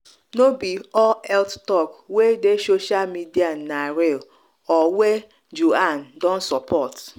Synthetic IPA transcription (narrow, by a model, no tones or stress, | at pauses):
nobiɔlɛlttɔkwedesoʃalmidianaɾel | ɔwe | d͡ʒuandɔ̃n̩sɔpʰɔt